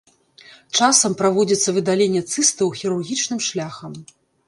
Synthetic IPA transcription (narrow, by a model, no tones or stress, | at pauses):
t͡ʂasɐmpɾavɔd͡zʲit̪sːɐvɨd̪alʲenʲːɛt̪sɨst̪ɐwxʲiɾurɣʲit͡ʂnɨmʂlʲaxɐm